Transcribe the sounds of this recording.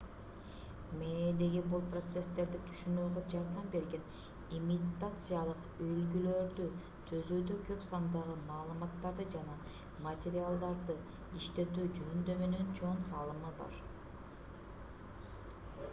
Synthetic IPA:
med̪e̞ɡibulˠprot̪se̞st̪e̞ɾd̪it̪ʰy̥ʃynøːɡød͡ʒɑɾd̪ɑmbe̞ɾɡe̞n | imʲit̪at̪sɨjalˠɯq | ølɡylø̞ɾd̪y | t̪ʰøzyːd̪økʰø̞psɑnd̪ɑʁɯmɑːlˠɯmɑt̪ːɑɾd̪ɯd͡ʒɑnɑ | mɐt̪ʲeɾʲɪalˠd̪ɑɾd̪ɯ | iʃt̪e̞t̪yːd͡ʒyynd̪øme̞ne̞nt͡ʃʰo̞ɴsɑlˠɯmɑbɑ̰ɾ

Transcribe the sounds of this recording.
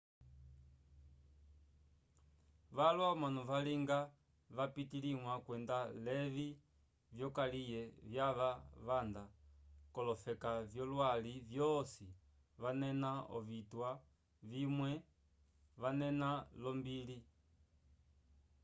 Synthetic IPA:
ʋalwamwanɔvaliŋɡa | vapitiliŋwakwɛndalɛvi | vjɔkalijɛvjaʋaʋandakɔlɔfɛkavjɔlwalivjɔsi | ʋanɛnaɔ̰vitwa | vimwɛ | ʋanɛnalɔmbili

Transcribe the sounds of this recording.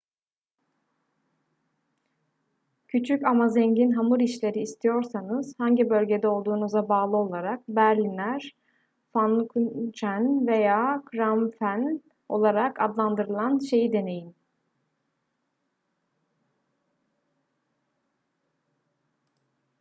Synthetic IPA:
cʰyt͡ʃʰycamazɛɲɟinɦamɯɾiʃlʲe̞ɾiːst̪ʰijo̞ɾsanɯz̥haɲɟibø̞lʲɟe̞d̪ɛo̞lˠd̪uːnuzabaːlˠɯo̞lˠaɾak̚bæɾlʲinlʲæɾ̥ | fankʰut͡ʃænve̞jaːkʰɾamfæn | o̞̰lˠaɾakʰad̪lˠand̪ɯɾɯlˠanʃe̞jid̪e̞ne̞jin

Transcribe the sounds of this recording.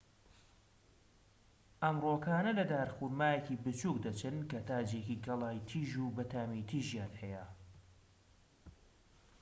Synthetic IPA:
ʔɐmroːkaːnɐlɐd̪aːɾxuɾmaːjekibɨt͡ʃuːk̚d̪ɐt͡ʃɨnkɐt̪ʰaːd͡ʒekiɡɐlˠaːjt̪ʰiːʒubɐt̪aːmit̪ʰiʒjaːnhɛjə

